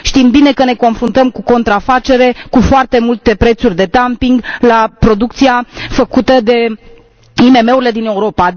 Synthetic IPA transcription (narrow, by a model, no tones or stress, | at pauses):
ʃt̪imbine̞kəne̞ko̞nfɾunt̪əmkuko̞nt̪ɾafat͡ʃe̞ɾe̞kufoart̪e̞mult̪e̞pɾe̞t̪surʲd̪e̞d̪ampiŋɡlapɾo̞d̪uk̚t̪siafəkut̪əd̪e̞ | ime̞me̞uɾile̞d̪ine̞uɾo̞pa